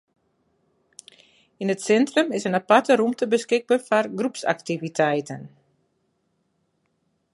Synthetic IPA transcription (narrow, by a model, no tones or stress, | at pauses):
inətsɛntrəmɪsənapatəɾumtəbəskɪɡ̚bəfarɡrupsa̰ktivitʰɛjtən